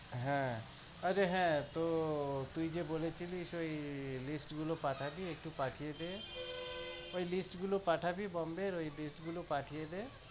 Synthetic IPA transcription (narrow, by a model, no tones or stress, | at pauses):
ɦɛ̃ | əɾeɦɛ̃t̪ot̪uid͡ʒebolet͡ʃʰiliʃoilisʈɡulopaʈʰabʱiek̚ʈupaʈʰijed̪e | oilisʈɡulopaʈʰabʱibɔmbeɾoibisʈɡulopaʈʰijed̪e